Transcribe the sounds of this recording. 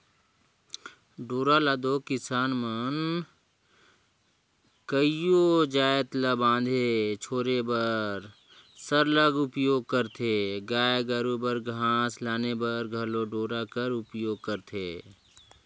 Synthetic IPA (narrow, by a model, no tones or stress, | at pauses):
ɖoːɾalad̪okɪsaːnmən | kəijod͡ʒaːjət̪labãːnd̪ʱet͡ʃʰoːɾebəɾ | səɾləɡʊpjoːɡ̚kəɾt̪ʰeɡaːjɡəɾubəɾɡʱãːslaːnebəɾɡʱɐloɖoːɾakəɾʊpjoːɡ̚kəɾt̪ʰeː